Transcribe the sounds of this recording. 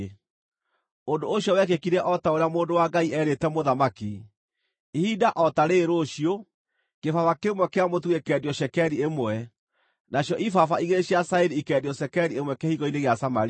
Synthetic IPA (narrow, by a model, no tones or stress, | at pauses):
ondooɕjɔwɛkekiɾɛʔɔtaoɾeamoːndowaɡaiɛɾetɛmoðamaki | ihidaʔɔtaɾeɾoɕio | kefafakemwɛkeamotuekɛːdjɔɕɛkɛɾiemwɛ | naɕjɔʔifafaiɣeɕiasaeɾiikɛːdjɔʃɛkɛɾiemwɛkehiɣɔineɣeasamaɾi